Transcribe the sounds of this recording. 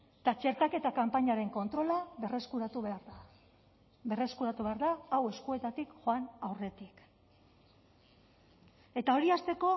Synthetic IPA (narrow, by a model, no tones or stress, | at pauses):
t̪at͡ʃe̞ɾt̪ake̞t̪akampaɲaɾe̞ŋko̞nt̪ɾo̞laereskuɾat̪uβeɾa | be̞re̞skuɾat̪uβe̞aɾðaːwe̞skue̞t̪at̪ikʝoanawre̞t̪ik | e̞t̪ao̞ɾiast̪e̞ko̞